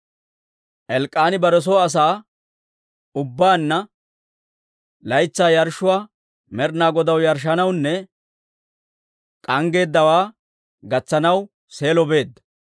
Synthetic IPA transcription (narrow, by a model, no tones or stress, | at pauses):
ʔɛlkʼːaːnɪbɐɾɛs̬oːɐs̬aː | ʊbːaːnːɐ | lɐjt͡sːaːjɐɾʃʊwaː | mɛɾnaːɡɔd̪ɐwjɐɾʃ̬ɐnɐwnːɛ | kʼɐŋɡe̞ːd̪ːɐwaː | ɡɐt͡sːɐnɐw | se̞ːlɔbe̞ːd̪ːɐ